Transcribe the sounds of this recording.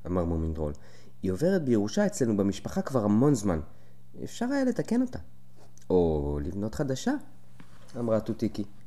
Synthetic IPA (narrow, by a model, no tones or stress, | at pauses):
amaʁmomind̪ʁo̰l | io̞ve̞ʁet̚bejeʁuʃae̞t͡sle̞nubemiʃpaχakvaʁhamo̞nzman | ḛfʃaʁajale̞take̞no̞ta̰ | olivno̞t̪χad̪aʃa | amʁatut̪iki